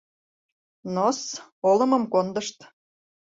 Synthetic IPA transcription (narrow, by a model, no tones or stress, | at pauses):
nosolə̆mə̆mkond̪əʃt̪